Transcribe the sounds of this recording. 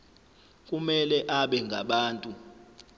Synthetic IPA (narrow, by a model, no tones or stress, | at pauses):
k̬ʼumɛlɛʔaɓɛŋɡʱa̰ɓaːntʼu